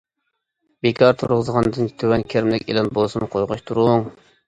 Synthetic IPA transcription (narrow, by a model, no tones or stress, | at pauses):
bekʰɑɾt̪ʰuɾʁəzʁɑnd̪ɨnʲt̪ʰøwɛnkʲʰeɾmlɪkʲḛlɪnbolˠsunqʰojʁʊʃt̪ʰuɾuŋ